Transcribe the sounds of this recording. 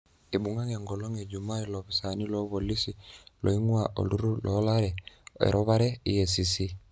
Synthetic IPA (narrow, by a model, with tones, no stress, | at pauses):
e˨bu˨ŋa˦ŋe˨ŋɡɔ˨lo˦ŋe˨d͡ʒu˨ma˦i˦lɔ˨bi˨sa˨ni˦lɔ˦βo˨li˦si˨lo̰˨i˦ŋwa˦˨ʔo̰˨lu˦ɾu˦lɔ˨˦la˦ɾɛ˨ḛ˨ɾʔɔ˦βa˦ɾɛ˦i˦je˨si˨si˦